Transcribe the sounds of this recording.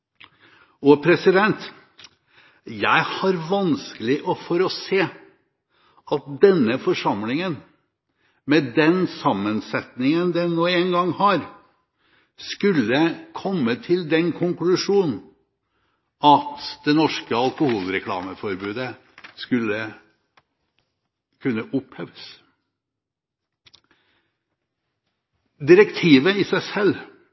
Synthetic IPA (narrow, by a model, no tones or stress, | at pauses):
ɔpʰɾɛsɪd̪ɛnt̪ | jæɪhɑɾʋɑnskəlɪʔɔfɔɾɔseː | ɑt̪̚d̪ɛnːəfɔʂɑmlɪŋən | mɛd̪ɛnsɑmːənsɛt̪nɪŋənd̪ɛnoːɛnɡɑŋhɑɾ | skʉlːəkʰɔmːət̪ʰɪld̪ɛnkʰʊŋklʉʂuːnn̩ | ɑt̪d̪̥ɛnɔʂkəɑlkʊhuːlɾɛkʰlɑ̰ːməfɔɾbʉːd̪ə | skʉlːə | kʰʉnːəʔʊpheːʋəs | d̪ɪɾəkt̪ʰiːʋəɪsæɪsɛlː